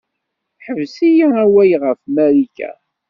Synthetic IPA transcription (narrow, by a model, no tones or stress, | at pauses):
ħəvsijaæwæjʁəfmæɾikæ̰